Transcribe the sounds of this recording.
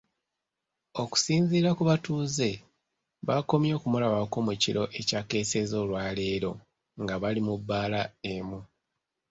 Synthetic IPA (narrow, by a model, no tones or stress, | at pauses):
o̞ku̥siːnziːɾakuβatuːze̞ | βako̞mjo̞ːkumulaβako̞muciɾo̞ʔe̞cake̞ːse̞zo̞ːlwaːle̞ːɾo̞ | ŋɡaβalimubːaːlaemu